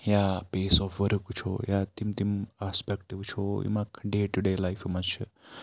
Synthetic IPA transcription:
japesɔfʋəɾkut͡ʃʰo̰jat̪imt̪imaspɛk̚ʈiʋt͡ʃʰoḭmakʰɖeʈuɖelajfimaʃə

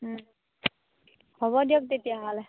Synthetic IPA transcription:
hɔβɔdijɔk̚t̪etijaɦɔlɛ

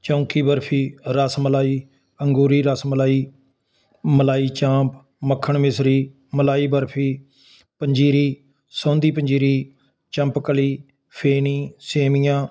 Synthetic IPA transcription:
t͡ʃõːkiːbəɾpʰiːɾəsməlaːiː | əŋɡuːɾiːɾəsməlaːiː | məlaːiːt͡ʃãːp | məkʰːəɳmɪsɾiː | məlaːiːbəɾpʰiː | pəɲd͡ʒiːɾiː | sõːnd̪iːpəɲd͡ʒiːɾiː | t͡ʃə̃mpkəliː | pʰeːnĩːseːmijãː

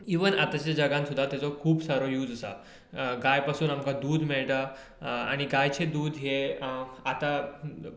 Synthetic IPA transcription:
iʋənat̪at͡ɕad͡ʑaɡãnsud̪ʱːat̪jat͡sɔkʰuːbsaɾojuːd͡zəsa̰ | ɡajpasuːnamkad̪uːd̪mɛɭʈ̪a | a̰ɽ̃iɡajt͡ɕed̪uːd̪ɦe | at̪a

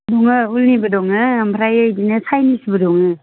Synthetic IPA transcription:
dɔŋɯulnibədɔŋɯːmpʰɾajɯjdinɯsʰajnisibɯdɔŋɯ

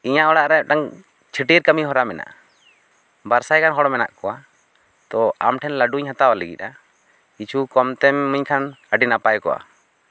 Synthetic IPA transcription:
iɲaʔɔɽaʔɾɛʈaŋ | t͡ʃʰiʈiɾkəmiɦɔɾamɛna̰ʔ | baɾsajkanɦɔɽɔmɛna̰ʔkɔwa | t̪ɔamʈʰɛnlaɖuɲhat̪awaləɡḭt̪̚ˀa | it͡ʃʰukɔmt̪ɛmːəɲkʰanəɖinapajkɔ̰wa̰

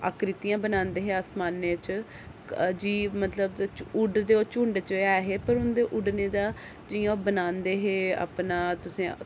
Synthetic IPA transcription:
a̰ːkɾɪt̪ijãːbənãːnd̪eːɦeːaːsmaːnːeːt͡ʃ | d͡ʒiːmət̪ləbʊɖd̪eːoːt͡ʃʊ̃ɳɖt͡ʃəɛːɦeːpəɾʊnd̪eːʔʊɖneːd̪aː | d͡ʒɪjãːbənaːnd̪eːɦeːa̰ːpnaːt̪ʊsẽː

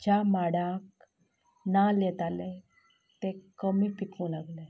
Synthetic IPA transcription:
d͡ʑjamaɽak | naljɛt̪ale | t̪ekəmiːpikũlaɡle

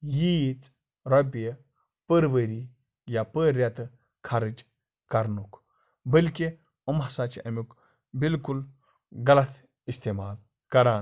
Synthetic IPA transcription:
jit͡s | ɾɐbijə | pəɾʋəɾi | japəɾʲɐt̪ | kʰɐɾɨd͡ʒ | kɐɾnukʰ | bəlki | ɐmɦɐsaːt͡ʃiʔɐmuk | bilkul | ɡɐlɐt̪ʰ | ist̪eːmaːl | kɐɾaːn

